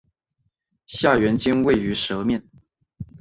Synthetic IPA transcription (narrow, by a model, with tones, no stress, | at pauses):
ɕja˥˩ɥɛ˧˥nt͡ɕi˥ŋwe˥˩ɪy˧˥ʂɤ˧˥mjɛ˥˩n